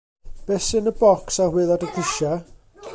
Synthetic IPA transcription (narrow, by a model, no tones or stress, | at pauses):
b̥ɛsɨnəbɔksahwɪðˠadəkʰɪʃa